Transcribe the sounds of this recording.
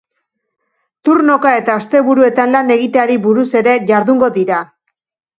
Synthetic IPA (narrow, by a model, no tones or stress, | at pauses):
t̪uɾno̞kae̞t̪aːst̪e̞βuɾue̞t̪anlane̞ɣ̞it̪eaɾiβuɾuse̞ɾe̞ʝaɾðuŋɡo̞ðiɾa